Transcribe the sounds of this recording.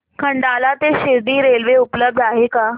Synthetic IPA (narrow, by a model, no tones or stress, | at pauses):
kʰəɳɖalat̪eɕiɾd̪iːɾelʋeupləb̚d̪ʱaɦeka